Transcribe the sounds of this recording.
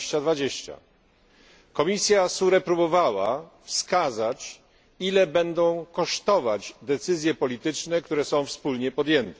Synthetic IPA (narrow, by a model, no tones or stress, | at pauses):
ɕt͡ɕad̪vad͡ʑeɕt͡ɕa̰ | kɔmʲisʲjasuɾɛpɾubɔvawa̰ | fskazat͡ɕ | ilɛbɛnd̪ɔ̃w̃kɔʂt̪ɔvad͡ʑd̪ɛt̪sɘzʲjɛpɔlʲit̪ɘt͡ʂnɛkt̪uɾɛsɔ̃w̃fspulɲɛpɔd̪jɛnt̪ɛ